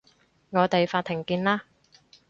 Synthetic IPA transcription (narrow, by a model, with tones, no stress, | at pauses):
ŋɔː˨˧t̪e˨jfaː˧t̚t̪ʰːɪ˨˩ŋkiː˧nlaː˥